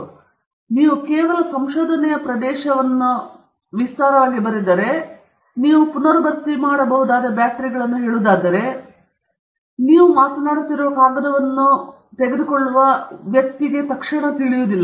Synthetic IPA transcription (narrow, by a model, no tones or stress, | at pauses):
niːʋukeːʋɐlɐsɐmʃoːd̪ʱɐnɛjɐpɾɐd̪ɛːʃɐʋɐnːu | ʋist̪aːɾɐʋaːɡibɐɾid̪ːɐɾe̞ | niːʋupunɐɾɐbɐt̪ːimaːɽɐbɐɦud̪aːd̪ɐbjaːʈɾiɡɐɭɐnːuɦeːɭud̪aːd̪ɐɾe̞ | niːʋumaːt̪naːɽt̪ːiɾuʋɐkaːɡɐd̪ɐʋɐnːu | t̪eɡed̪ukoɭːuʋɐʋjɐk̚t̪iɡe̞t̪ɐkʂɐɳɐt̪iɭijuːd̪ilːɐ